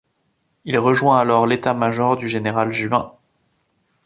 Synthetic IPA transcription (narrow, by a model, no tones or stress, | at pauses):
ilʁəʒwɛ̃alɔʁlet̪amaʒɔʁd̪yʒeneʁalʒyɛ̃